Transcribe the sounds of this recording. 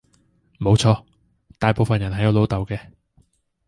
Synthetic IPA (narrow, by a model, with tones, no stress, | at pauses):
mo˨˧wt͡ʃʰɔː˧ | t̪aː˨jpo˨˧wfɐ˨njɐ˨˩nɦɐ˨˩jɐ˧˥lo˨˥wt̪ɐ˨wkɛː˧